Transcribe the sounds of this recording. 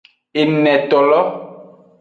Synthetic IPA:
e˨nɛ̃˨tɔ˨lɔ˦

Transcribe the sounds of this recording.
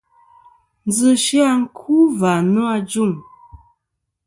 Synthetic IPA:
n˦d͡zzə˨ʃi˦a˦ŋ̩˦kʰu˦va˨nə˦a˦d͡ʒu˦˨m

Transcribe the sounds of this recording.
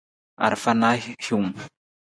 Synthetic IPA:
a̰˨ɾfanahkʰu˨m

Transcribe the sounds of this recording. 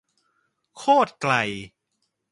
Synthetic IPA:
kʰoː˥˩t̪̚kla˧j

